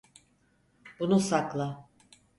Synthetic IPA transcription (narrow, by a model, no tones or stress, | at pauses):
bunusaklˠa